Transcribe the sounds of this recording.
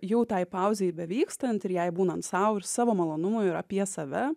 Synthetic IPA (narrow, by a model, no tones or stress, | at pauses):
jɛʊt̪ɐɪpɑˑʊzʲeːjbʲɛʋʲiːkst̪ɐnʲt̪ʲɪɾjɛɪbuːnɐnt̪sɑʊɪɾsɑːʋoːmɐlˠoːnʊmojɪɾɐpʲiɛsɐʋʲɛ